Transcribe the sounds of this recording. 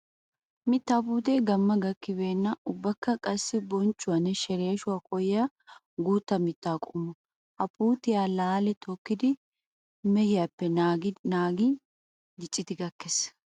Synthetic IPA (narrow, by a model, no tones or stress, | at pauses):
mɪt̪ːaːbuːt̪eːɡɐmːɐɡɐkːɪbe̞ːnːɐʔʊbːɐkːɐkʼɐsːɪbɔnt͡ʃʼːʊwɐnɛʃɛɾeːʃʊwaːkʼɔjɪja | ɡuːt̪ːɐmɪt̪ːaːkʼʊmːʊ | ʔɐpuːt̪ɪjaːlaːlɛt̪ʰɔkːɪd̪ɪ | mɛhɪjapːɛnaːɡnaːɡɪ | d̪ɪt͡ʃʼːɪt̪ɪɡɐkːɛs